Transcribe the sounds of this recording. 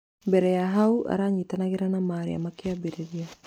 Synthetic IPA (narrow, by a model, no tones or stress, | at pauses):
beɾeaɦauʔa̰ɾaɲit̪anaɣeɾanamaːɾḭa̰makeabeɾeɾia